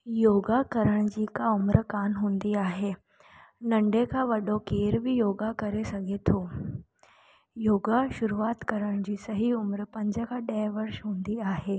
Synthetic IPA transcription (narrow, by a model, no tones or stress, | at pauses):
joːɡakɐɾəɽ̃d͡ʑiːkaʊmɾkaːnɦũːnd̪iaːɦeː | nɐ̃ɳɖekʰaʋɐɗokeːɾbʱɪjoːɡakɐɾesɐɡʱet̪ʰoː | joːɡaʃʊɾuaːt̪kɐɾəɽ̃d͡ʑiːsɐɦiʊmɾpɐ̃ɲd͡ʑəkʰaɗɛɦʋɐɾʃɦũːnd̪iaːɦeː